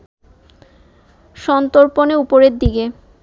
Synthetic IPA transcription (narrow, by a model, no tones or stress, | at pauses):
ʃɔnt̪oɾponeupoɾeɾd̪iɡe